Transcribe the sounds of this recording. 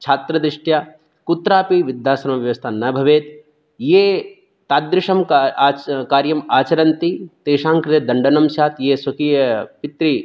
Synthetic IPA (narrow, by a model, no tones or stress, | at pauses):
t͡ʃʰaːt̪ɾɐd̪ɾɪʂʈjaː | kut̪ɾaːpiʋɪd̪jaːsɐɾmɐʋjɐʋɐst̪ʰanɐbʱɐʋeːt̪ | jeː | t̪aːd̪ɾɪʂɐmː | kaːɾjɐmaːt͡ʃɐɾɐnt̪it̪eːʃãːŋkɾɪt̪ed̪ɐɳɖɐnɐmʃjaːt̪jeːswɐkiːjɐpɪt̪ɾi